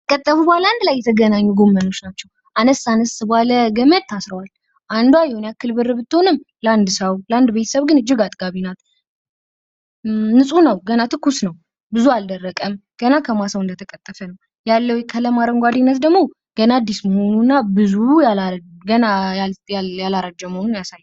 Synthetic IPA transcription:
kʼət̪ʼːəfubalaand̪lajːɛt̪ʰəɡənaɲːuɡomːəno̞t͡ʃːnat͡ʃːɛw | ʔanəsanɨsɨbaləɡəməd̪t̪ʰːasɾəwal | ʔand̪wajɛhonjakːɨlbɨrɨbɨt̪ːɨhonɨm | ləand̪ɨsəwland̪bet̪ʰə̥səβɡɨnɨd͡ʒːɨɡat̪ʼɡ̥aβinat̪ | nɨsʼunəwɡənat̪ʰɨkːusnəw | bɨzuald̪ərːəkʼəmɡ̥ənakʰəmasəwɨnd̪ət̪ʰəkʼət̪ʼːəfənəw | jalːəwjkʰələmaɾəŋɡʷad̪inːət̪d̪əɡmo̞ | ɡ̥ənad̪ːisməho̞nuɨnːabɨzujalɡənaajalaɾad͡ʒːəməhonunjasajː

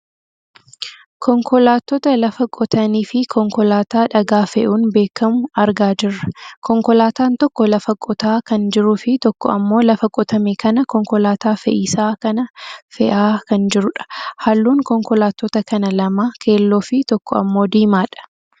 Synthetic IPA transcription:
kʰɔŋkʰɔlaːt̪ːɔt̪ɐlɐfɐkʼɔt̪ɐniːfɪkʰɔŋkɔlaːt̪aːᶑɐɡaːfɛʔuːnbe̞ːkːɐmʊɐɾɡaːd͡ʒɪrːɐkʰɔŋkɔlaːt̪aːnt̪ɔkːɔlɐfɐkʼɔt̪aːkɐnd͡ʒɪɾʊfɪt̪ɔkːɔʔɐmːo̞ːlɐfɐkʼɔt̪ɐmekɐnɐkɔŋkɔlaːt̪aːfɛʔɪːsaːkɐnɐfɛ̰ʔaːkɐnd͡ʒɪɾʊᶑɐ̥hɐlːuːŋkɔŋkɔlaːt̪ːɔt̪ɐkɐnɐlɐmaːkʰe̞ːlːoːfɪt̪ɔkːɔɐ̰mːo̞ːd̪iːmaːᶑɐ̥

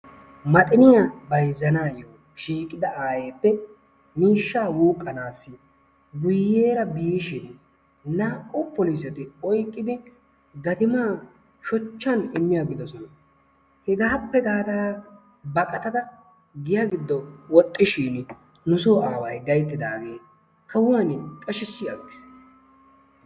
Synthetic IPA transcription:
mɐt̪ʼɪnɪjabɐjzːɐnaːjoː | ʃiːkʼːɪd̪ɐʔaːje̞ːpːɛ | miːʃːaːwuːkʼːɐnaːsːɪ | ɡʊjːe̞ːɾɐbiːʃɪn | naːʔʼʊpɔlisɛt̪ɪɔjkʼːɪd̪ɪ | ɡɐt̪ɪmaː | ʃɔt͡ʃːɐnɪmːɪjaɡɪd̪ɔsɔnɐ | hɛɡaːpːɛɡaːt̪aː | bɐkʼɐt̪ɐt̪ɐ | ɡɪjaɡɪd̪ːɔwɔt̪ʼːɪʃiːn | nʊsoːaːwɐjɡɐjt̪ːɪd̪aːɡe̞ː | kʰɐwaːnɪkʼɐʃɪsːɪjaɡɪs

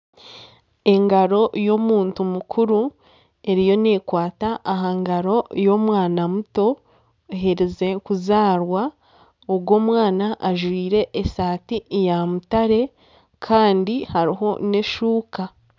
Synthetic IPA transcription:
e̞ŋɡaɾo̞jo̞ːmuːntumukʰuɾu | e̞ɾijo̞ne̞ːkwaːtaʔːɦaŋɡaɾo̞jo̞ːmwaːnamuto̞ | ɦeɾize̞kuzaːɾwa | oɡwo̞ːmwaːnaʔːʒwiːɾe̞ʔːsaːtijamutaɾe̞ | kʰaːndihaɾiɦo̞ne̞ʃuːka

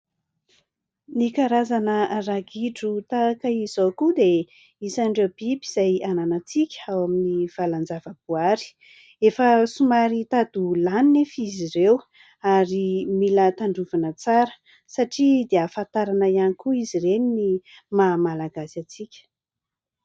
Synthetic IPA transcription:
nikaɾazanəraɡiʈ͡ʂut̪akəiz̥okud̪e | isaɳɖ͡ʐewb̥ibi̥z̥ajananat͡sikʲə̥awaminiv̥aland͡zavəbuaɾi̥ | efəsumaɾit̪ad̪ulaninefizirew | aɾimilət̪aɳɖ͡ʐuvanət͡saɾə̥ | saʈ͡ʂid̪eafant̪aɾanəjanikuizirenini | mamalaɡasat͡sikʲə̥

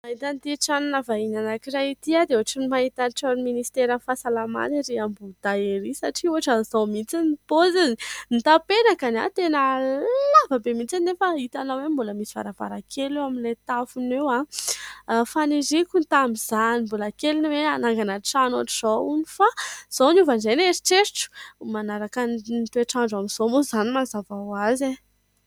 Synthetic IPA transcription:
maɦit̪ant̪iʈ͡ʂanunavaiɲanakirait̪iad̪euaʈ͡ʂanimaɦit̪anʈ͡ʂaɾminist̪eɾanfasalama̰niɾiambud̪̥aeɾisaʈ͡ʂiuaʈ͡ʂanizawmit͡sinipozizinit̪apeɾakana̰t̪enəlavabemint͡sannefəɦit̪anawembuləmisiva̰ɾava̰ɾakʰelewaminlet̪afunewã | fanizikunt̪ambiz̥animbulakeliniweanaŋɡanaʈ͡ʂanoaʈ͡ʂiz̥ounifaz̥ownuvanzejneɾi̥ʈ͡ʂeɾʈ͡ʂu̥manaɾakannt̪eʈ͡ʂaɳɖ͡ʐaminz̥omozanimazavawaze

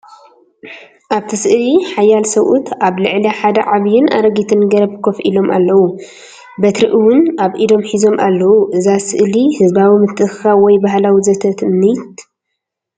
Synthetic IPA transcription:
ʔaβt̪ʰɐsɨʔliħajːalsɐwʔut̪aβlɨʕliħad̪ɐʕaβjɪnʔa̰ɾɐɡit̪ʰɨnɡɐɾɐbkʰofḭlo̞mʔa̰lːɐwu | bɐt̪ɾɨʔɨwʊnaβʔid̪o̞mħizo̞mʔa̰lːɐwuʔɨzasɨʔlihɨzbawimɨt̪ʰʼːɨɨxxawɔjbaɦlawizɐt̪ʰɐt̪ɨmːit̪

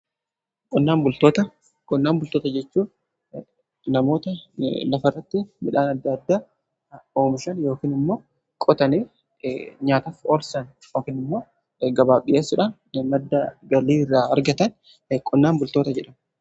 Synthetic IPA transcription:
kʼɔnːaːnbʊlt̪oːt̪ɐ | kʼɔnːaːmbʊlt̪oːt̪ɐd͡ʒɛt͡ʃːuː | nɐmo̞ːt̪ɐlɐfɐrːɐt̪ːɪmɪᶑaːnɐd̪ːɐd̪ːaː | oːmɪʃɐnjo̞ːkiːnɪmːoː | kʼɔt̪ɐniː | ɲaːt̪ɐfoːlsɐn | joːkiːnɪmːo̞ː | ɡɐbaːbɪʔeːsːɪᶑɐ | mɐd̪ːɐɡɐliːrːaːɐɾɡɐt̪ɐn | kʼɔnːaːnbʊlt̪o̞ːt̪ɐd͡ʒɛᶑɐm

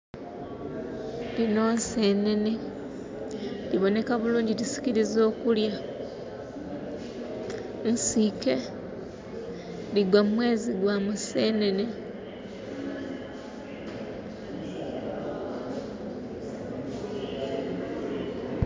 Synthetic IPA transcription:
lino̞ːnse̞ne̞ne | liβo̞ne̞kaβuluːɲɟiɾisi̥ciɾizo̞ːkulja | nsike̞ | liɡwamumwe̞ːziɡwamusene̞ne̞

